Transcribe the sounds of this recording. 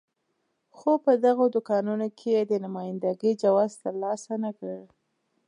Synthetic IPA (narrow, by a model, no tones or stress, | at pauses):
xopəd̪aɣod̪ʊkɑnunokʰeed̪ənʊmɑjɪnd̪aɡəd͡ʒawɑzt̪əɾlɑsanakəɽ